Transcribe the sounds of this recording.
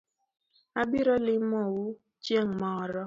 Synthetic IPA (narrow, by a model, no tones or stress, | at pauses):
abiɾɔlɪmɔwu | t͡ʃeŋmɔɾɔ